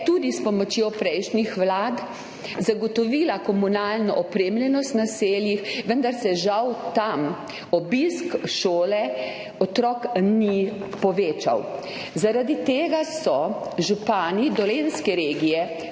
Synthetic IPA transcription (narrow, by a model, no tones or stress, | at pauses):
t̪ud̪ispɔmɔt͡ʃjopɾɛjʃnixʋlaːd̪ | zaɡɔt̪ɔʋilakɔmunalnɔʔɔpɾeːmljɛnɔst̪naseːljixʋənd̪aɾsɛʒawt̪am | ɔbiskʃoːlɛ | ɔt̪ɾɔkni | pɔʋeːt͡ʃa̰w | zaɾad̪it̪eːɡasɔʒupaːnid̪ɔlenskɛɾeːɡijɛ